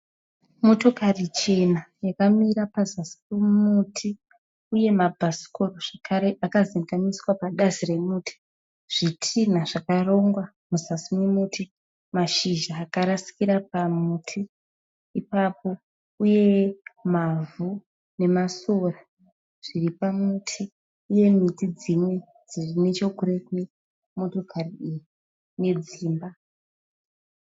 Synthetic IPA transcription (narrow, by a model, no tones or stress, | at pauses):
mo̞to̞karit͡ʃe̞najakamiɾapazasi̥mumutʰi | uje̞mabʱasi̥koroʐ̥akaɾeʔakaziŋɡamiswapaɗazire̞muːtʰi̥ | ʐ̥itʰin̤aʐ̥akaro̞ŋɡwa | muzasimemutʰi | maʃiʒaːkaɾasi̥kiɾapamutʰiː | papo̞ | uje̞mavu | ne̞masora | ʐ̥iripamutʰiː | je̞mitid͡zimwe̞ | d͡zirine̞t͡ʃokuɾekwe̞ | mo̞to̞kʰariiji | ne̞d͡ziːmba